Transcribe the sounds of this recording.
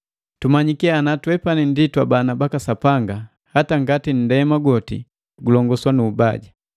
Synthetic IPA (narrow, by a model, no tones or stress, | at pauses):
tumaɲikianatwɛpaninditwabanabakasapaŋɡa | hataŋɡatin̩dɛmaɡɔtḭ | ɡulɔŋɡɔswanuːbaɟa